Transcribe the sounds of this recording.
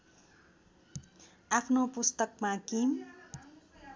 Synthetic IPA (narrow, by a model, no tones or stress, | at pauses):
apʰnopust̪ʌkmakim